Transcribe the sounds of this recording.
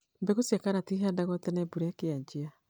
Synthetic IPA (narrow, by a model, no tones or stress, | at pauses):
mbɛɣosjakaɾatiɦadaɣɔtɛnɛbuɾakeaɲd͡ʑea